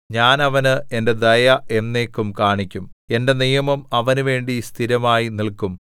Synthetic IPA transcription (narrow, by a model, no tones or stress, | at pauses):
ɲaːnɐʋɐnɨe̞nde̞d̪ɐjɐe̞nːe̞ːkːumkaːɳikʲːume̞nde̞nijɐmɐmɐʋɐnuʋe̞ːɳɖist̪ʰiɾɐmaːjiniɭkum